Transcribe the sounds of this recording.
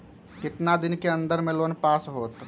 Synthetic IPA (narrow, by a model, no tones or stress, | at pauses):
kɪt̪nad̪ɪnkeə̃nd̪əɾmẽloːnpaːsɦoːt̪